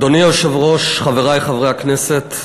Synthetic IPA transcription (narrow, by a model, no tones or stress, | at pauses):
d̪onioʃevʁoʃχaveʁajχavʁejakneset̪